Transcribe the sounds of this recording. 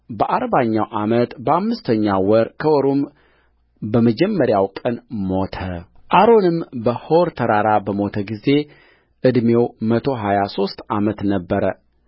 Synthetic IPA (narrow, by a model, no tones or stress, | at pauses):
bəʔaɾbaɲːawʔamət̪bəamːɨst̪ʰəɲːawɔɾkʰəwɔɾum | bəməd͡ʒɛmːəɾjawkʼənmo̞t̪ʰə̰ | ʔaɾo̞nɨmbəhoɾt̪ʰəɾaɾabəmo̞t̪ʰəɡize̞ | ʔɨd̪me̞wmət̪ʰo̞ɦajaso̞st̪ʔamət̪nəbːəɾə